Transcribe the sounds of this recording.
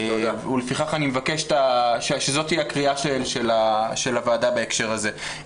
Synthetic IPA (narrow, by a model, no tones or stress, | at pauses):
ulefiχaχanimevakeʃt̪aʃeʃezo̞t̪hiakʁiaʃelʃelaʃe̞lavaːdabeekʃe̞ʁaze